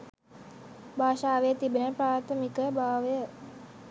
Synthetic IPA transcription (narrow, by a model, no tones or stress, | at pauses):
bʱaːʃaːʋejət̪ibənəpɾaːt̪ʰəmikəbʱaːʋəjə